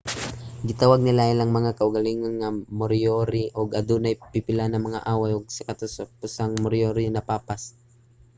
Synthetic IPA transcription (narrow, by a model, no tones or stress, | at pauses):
ɡɪt̪awaɡ̚nɪlaɪlaŋmɐŋakɐʔʊɡɐliŋonːamoɾjoɾiʔoɡɐd̪unajpɪpɪlanɐŋmɐŋa̰ʔaːwajoɡ̚sɐkɐt̪osɐpʊsaŋmʊɾjoɾɪnɐpaːpas